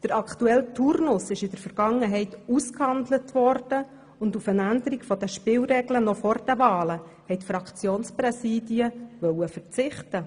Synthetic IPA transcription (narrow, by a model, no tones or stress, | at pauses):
d̥əɾɑktuɛltʰuɾnʊsɪʃɪd̥əɾfəɾɡ̥ɑŋːəɦɛɪtuskhɑndlətʋɔrd̥ə | ʊndufənændəɾikfɔdəʃpɪːlɾɛɡlənɔfɔrd̥əvɑːlə | hɛjtfrɑkt͡sjoːnsprɛsiːdiəvœwəfəɾt͡sɪχtə